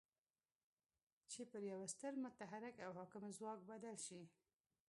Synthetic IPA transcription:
t͡ʃepəɾjawast̪əɾmʊt̪aɦaɾɪkawɦɑkɪmzwɑk̚bad̪alʃi

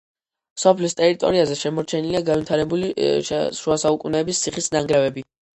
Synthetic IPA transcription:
sɔpʰlist̪ʼɛɾit̪ʼɔ̰ɾiazɛʃɛmɔɾt͡ʃʰɛniliaɡanvit̪ʰaɾɛbulḭʃuasaukʼunɛːbist̪sʰiχisnaŋɡɾavɛbi

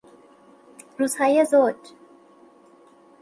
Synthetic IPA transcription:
ruːz̥hɒːjezod͡ʒ

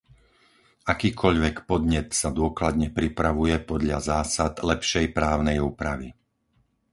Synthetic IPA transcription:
ʔakiːkʰɔʎʋɛkpɔd̪ɲɛt̪sad̪ʊɔklad̪ɲɛpɾipɾaʋujɛpɔd̪ʎazaːsad̪lɛpʃɛjpɾaːʊnɛjuːpɾaʋḭ

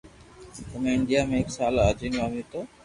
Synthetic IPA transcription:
t̪əmẽɪɳɖijaːmẽɪksaːlad͡ʒinʋaːmit̪oː

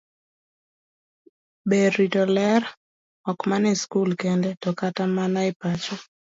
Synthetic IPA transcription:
beitɔlɛɾ | ɔkmanɪskulkɛndɛtɔkatamanaɪpat͡ʃɔ

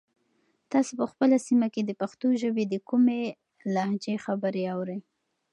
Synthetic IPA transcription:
t̪ɑsopəxpəlasimaked̪əpaxt̪oʒəbed̪əkume | lahd͡ʒexabəɾeawɾəj

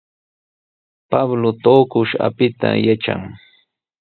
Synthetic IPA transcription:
pablot̪oːkʊʃa̰pɪt̪a̰jaʈ͡ʂa̰ŋ

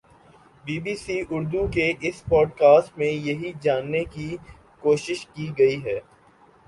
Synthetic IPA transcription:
biːbiːsiʔʊɾd̪ukeʔɪspɔːɖkaːsʈmẽjɐɦid͡ʒaːnːeki | koːʃɪʃkiɡɐiɦɛː

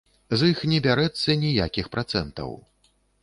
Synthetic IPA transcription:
zɨxnʲɛbʲaɾɛt̪sːɐnʲija̰kʲixpɾʔat̪sɛnt̪ɐ̰w

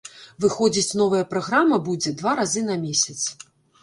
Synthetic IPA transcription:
vɨxɔd͡zʲit͡sʲnɔvɐjɐpɾaɣɾamɐbud͡zʲɛd̪vaɾazɨnɐmʲesʲɐt̪s

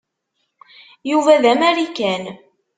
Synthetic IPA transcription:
juvæðæmæɾikæn

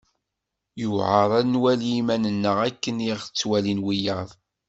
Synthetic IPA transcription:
juʕəɾˤænwæljimænənːəʁækːəniʁət͡sːwælinwijəðˤ

